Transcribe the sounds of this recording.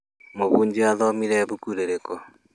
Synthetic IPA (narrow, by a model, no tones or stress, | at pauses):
moβuːɲd͡ʒeaðɔmiɾɛβukuɾeɾeko